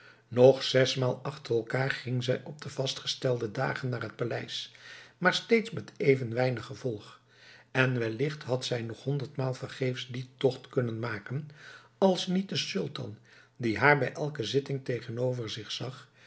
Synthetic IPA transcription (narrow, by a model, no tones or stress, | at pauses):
nɔχsɛsmaːlˠɑχtərɛlˠkaːɹχɪŋzɛjɔb̚dəv̥ɑstχə̥stɛlˠdəda̰ːχənːaːrɦət̚palɛjsmaːɹstejtsmɛtejvənʋɛjnəχːəvɔlˠχ | ɛnʋɛlɪχtɦɑtsɛjnɔχɦɔndəɹtmaːlˠvərχejfsditɔχtkɵnənmaːkənɑlˠsnit̚dəsʏlˠtɑ̰n | diɦaːɹbɛjʔɛlˠkəzɪtɪŋtejχənowvəɹzɪχsɑχ